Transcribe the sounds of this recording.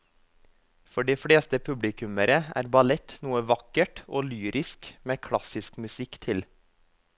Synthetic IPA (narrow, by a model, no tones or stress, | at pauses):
fɔɖiːfɽeːst̪əpʰʉblɪkʉməɾəʔæ̰ːɾbɑlɛt̪nuːəʋɑkəʈoːlyːɾʔɪskmeːkʰɽɑsɪskmʉsɪkt̪ʰɪl